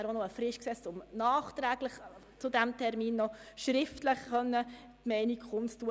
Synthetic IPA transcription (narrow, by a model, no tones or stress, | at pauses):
ɾonɔəfɾɪʃksɛːst͡sʊmnɑːχt̪ɾæːɡ̥ləχ | t͡sʊd̪æmtʰɛɾmiːnːɔʃɾɪftləχχœnːə | t̪mɛɪnikχʊmstu